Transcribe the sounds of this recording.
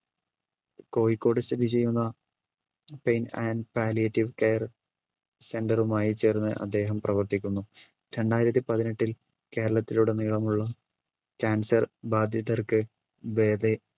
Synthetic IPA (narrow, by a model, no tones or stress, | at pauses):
ko̞ːjikːo̞ːɽɨsɐd̪ʱit͡ɕe̞jːunːɐ | pejnanpaːlijɐtːiʋkejɐr | se̞ndɐrumaːjit͡ɕe̞ːrnːɨʔɐ̰d̪ːe̞ːɦɐmprɐʋɐrt̪ikʲːunːu | ɾe̞ɳɖaːjiɾɐt̪ːipɐðineʈːil | ke̞ːɾɐɭɐt̪ːiluɽe̞niːɭɐmuɭːɐ | kaːnsɐrbaːd̪ʱjɐðɐrkɨ | ʋe̞ːd̪e